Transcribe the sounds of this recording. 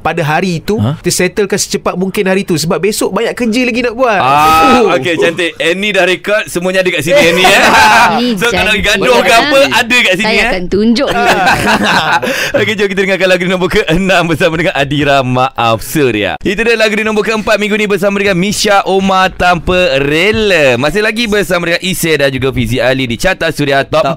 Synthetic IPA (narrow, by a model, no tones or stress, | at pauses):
padaɦaɾiːt̪ut̪əsɛt̪əlkansə̥t͡ʃəpat̪̚muŋkɪnɦaɾit̪usəbap̚besoʔbaɲaʔkəd͡ʒəlaɡinaʔbuanaoket͡ʃant̪əɛnĩdahɾekɔt̪̚səmũaɲaadəkaʔsiniɛni | sokadaɡadohɡapəadəkaʔsiniant̪uɲd͡ʒʊʔ | oked͡ʒokit̪ədəŋakanlaɡudinə̃mbukəʔənãmbərsamadəŋanadiɾamaʔafsuɾḭa̰it̪udəlaɡudinəmbukəəmpat̪̚mĩŋɡunĩbərs̬amadəŋanmisaʔomat̪ampəɾeləmasɪhlaɡibərsamadəŋanʔisɛdand͡ʒuɡafisialidit͡ʃat̪at̪̚suɾiat̪ɔ